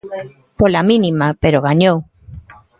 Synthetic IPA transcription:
polamĩnimapeɾoɣ̞aɲow

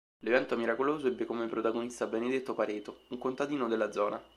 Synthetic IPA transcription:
levɛnt̪oɛmiɾakoloːzoɛbːekomepːɾot̪aɡonist̪abened̪et̪ːopaɾeːt̪ouŋkont̪ad̪iːnod̪elːad̪zɔːna̰

